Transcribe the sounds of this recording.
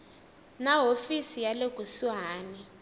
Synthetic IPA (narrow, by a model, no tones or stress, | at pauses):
naɦofisijaleɡ̥ʱuswaːni